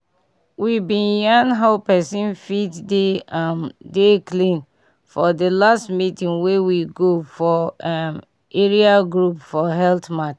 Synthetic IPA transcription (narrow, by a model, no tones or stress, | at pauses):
wibĩnjãnɦaʊpɛsĩnfitde | deklĩn | fɔdəlastmitĩŋwewiɡofɔm | eɹiaɡɹupfɔɦɛltmat